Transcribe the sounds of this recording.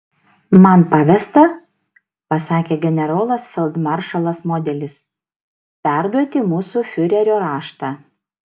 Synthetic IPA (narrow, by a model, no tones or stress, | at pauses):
mɐnpɐʋʲɛst̪ɐ | pɐsɑːkʲeːɡʲɛnʲɛɾoːlˠɐsfʲɛlˠd̪mɐɾʃɐlˠɐsmoːd̪ʲɛlʲɪs | pʲæˑɾd̪uɔt̪ʲɪmuːsufʲʊɾʲɛɾʲoːɾɑːʃt̪ɑː